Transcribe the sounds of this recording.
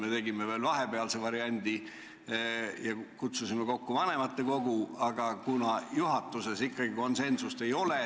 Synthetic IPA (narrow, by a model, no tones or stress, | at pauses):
me̞t̪e̞ɡime̞ve̞ːlvɑɦe̞pe̞ɑlsevɑɾiɑnʲd̪̥i | jɑkut̪susimeko̞kːuvɑne̞mɑt̪ːe̞ko̞ɡ̥uɑɡ̥ɑkunɑjuɦɑt̪ːˑuse̞sikːɑɡ̥iko̞nse̞nsust̪e̞jo̞le